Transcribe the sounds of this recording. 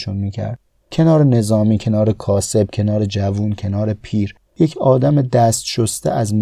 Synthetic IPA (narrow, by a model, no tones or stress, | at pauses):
unmiːcʰæ̰ɾd̪̚ | cʰe̞nɒːɾene̞zɒːmiːcʰe̞nɒːɾekʰɒːse̞b̥̚cʰe̞nɒːɾed͡ʒævuːncʰe̞nɒːɾe̞pʰiːɾ | jecʰɒːd̪æmed̪æst̪ʃost̪ḛʔæzm